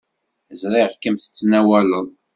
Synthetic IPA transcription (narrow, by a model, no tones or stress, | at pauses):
zɾˤɪʁkəmθə̥t͡sːnæwæləðˤ